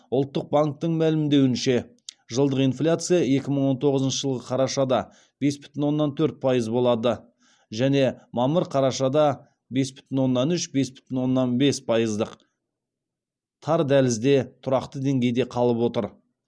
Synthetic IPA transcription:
ʊlˠt̪ːəq̚baŋk̚t̪əɴmælɪmd̪e̞wɪnʃe̞ | ʒəlˠd̪əqijnflʲat̪sɨjae̞kʲɪməɴwo̞nt̪ʰo̞ʁəzənʃəʒəlˠʁəqʰɑɾɑʃɑd̪ɑ | b̥e̞sbʏ̥t̪ɪnwo̞nːɑnt̪ʰɵɾt̪̚pʰɑjəzbo̞lˠɑd̪ə | ʒæne̞mɑməɾqʰɑɾɑʃɑd̪ɑ | be̞sbʏ̥t̪ɪnwo̞nːɑnʏʃbe̞sbʏ̥t̪ɪnwo̞nːɑnbe̞spʰɑjəzd̪əq | t̪ʰɑɾd̪ælɪzd̪e̞t̪ʰʊɾɑqt̪əd̪e̞ŋɡʲe̞jd̪e̞qʰɑlˠəpwo̞t̪əɾ

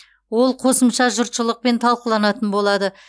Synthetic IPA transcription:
wo̞lˠqʰo̞səmʃɑʒʊɾt̪ʃəlˠəq̚pe̞nt̪ʰɑlˠqəlˠɑnɑt̪ənbo̞lˠɑd̪ə

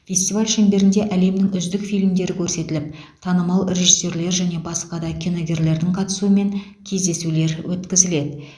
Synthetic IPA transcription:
fʲe̞st̪ivalʲʃæmbe̞ɾɪnd̪e̞ʔæle̞mnɪŋʏzd̪ɪkfijlmd̪e̞ɾɪkʲʰɵɾse̞t̪ɪlɪp̚ | t̪ʰɑnəmɑlˠrʲe̞ʒisːe̞ɾle̞ɾʒæne̞bɑsqɑd̪ɑkʲʰino̞ɡʲe̞ɾle̞ɾd̪ɪŋqʰɑt̪ə̥suəme̞ŋ | kʲʰe̞zd̪e̞sule̞ɾwʔɵt̪kʲɪzɪle̞d̪ɪ

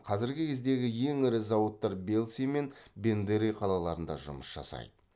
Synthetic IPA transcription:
qʰɑzɪɾɡʲɪkʲʰe̞zd̪e̞ɡʲɪje̞ŋɪɾɪzɑwət̪ːɑɾbe̞lʲˠsijme̞nbe̞nd̪eɾijqʰɑlˠɑlˠɑɾənd̪ɑ̰ʒʊməsʒ̥ɑ̰sɑ̰jd̪ə

